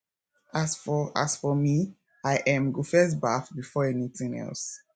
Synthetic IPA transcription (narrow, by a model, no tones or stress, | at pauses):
afa̰sfɔmi | aɪʔɛ̃mɡufɛsbafbifɔɛniθĩŋɛ̰lˠs